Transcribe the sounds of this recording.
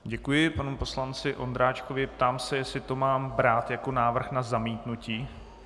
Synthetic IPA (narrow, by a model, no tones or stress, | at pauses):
ɟɛkujɪpanupo̞slant͡sɪʔo̞nd̪ɾaːt͡ʃkovɪpt̪aːmsɛjɛsɪt̪o̞maːmbɾaːt̪jako̞naːvr̩xnazamiːt̪nuciː